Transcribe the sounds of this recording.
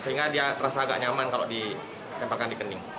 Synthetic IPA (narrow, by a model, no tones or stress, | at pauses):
səɦiŋɡadiat̪əɾasaːɡa̰ʔɲamankaloʔdi | t̪ɛmparkandikənɪŋ